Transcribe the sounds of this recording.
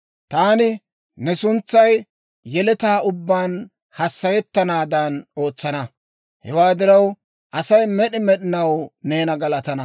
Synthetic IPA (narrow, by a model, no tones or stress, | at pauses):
t̪aːnɪ | nɛsʊnt͡sːɐj | jɛlɛt̪aːʊbːaːn | hɐsːɐjɛt̪ːɐnaːd̪ɐno̞ːt͡sːɐnɐ | hɛwaːd̪ɪɾɐw | ʔɐsɐjmɛɗɪmɛɗɪnɐwne̞ːnɐɡɐlɐt̪ɐnɐ